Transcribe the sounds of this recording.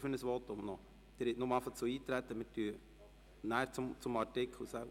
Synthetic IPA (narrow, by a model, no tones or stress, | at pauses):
fɵnəsʋɔt̪ʊmnɔ | d̥̪ɪɾɪt̪nʊmɑfɑt͡suiːt̪ɾæt̪ːəmɪtyə | næːɾt͡sʊmt͡sʊmɑɾtɪkχl̩sæ